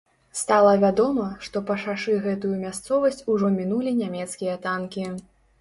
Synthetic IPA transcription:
st̪alˠɐvʲad̪ɔmɐʂt̪ɔpɐʂaʂɨɣɛt̪ujumʲast̪sɔvɐsʲt͡sʲuʐɔmʲinulʲinʲamʲɛt̪skʲijɐt̪ankʲi

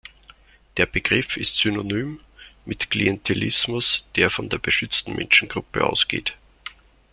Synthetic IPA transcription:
d̥eːɐb̥əɡ̥ʁɪfɪstsynonyːm | mɪtkʰliɛntʰelɪsmʊsd̥eːɐfɔndeːɐb̥əʃʏt͡stn̩mʔɛ̰nʃn̩ɡ̥ʁʊpə̰ʔa̰ʊsɡ̥ḛːt

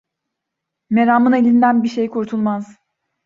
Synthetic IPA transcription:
me̞ɾaːmɯnelʲind̪ænbiʃe̞jkʰuɾt̪ʰulˠmaz̥

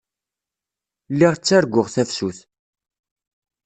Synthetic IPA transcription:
lːiʁt͡sːæɾɡʷːʊʁθæfsuθ

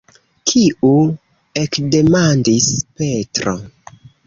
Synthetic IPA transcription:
kʰiu | e̞kde̞mandispe̞tɾo̰

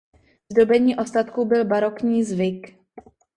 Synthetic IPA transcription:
zdobɛɲiːʔost̪at̪kubɪlbaɾo̞kɲiːzvɪk

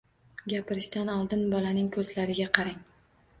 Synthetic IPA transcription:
ɡʲapɪɾɪʃt̪anɒlˠd̪ɪnbɒlanɪŋkʰɵzlaɾɪɡʲaqʰɑɾaŋ

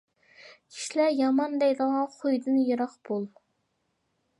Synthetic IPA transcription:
kʲʰi̥ʃilæɾjɑmɑnd̪ɛjd̪əʁɑχʰojd̪ɨnjɑɾɑχb̥olˠ

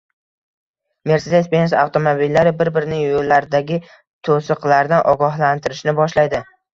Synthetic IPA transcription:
me̞ɾsed̪espʲensawt̪ʰo̞mobilːaɾɪbɪɾbɪɾɪnɪŋjolːaɾd̪aɡʲɪ | t̪ʰosɨqlaɾd̪anʔɒɡɒɦlant̪ʰɪɾɪʃnɪbɒʃlajd̪ɪ

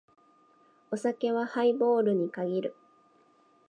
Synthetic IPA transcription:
o̞sake̞βahaibo̞ːɾɯ̟ɲ̟ikaɡʲiɾɯ̟

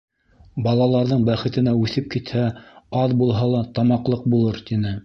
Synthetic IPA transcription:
bɑlˠɑlˠɑɾðɤɴbæχɘ̆t̪ɘ̆næʉθɘp̚kit̪hæɑðbulˠɦɑlˠɑt̪ɑmɑqlˠɤq̚bulˠɤɾt̪inɘ

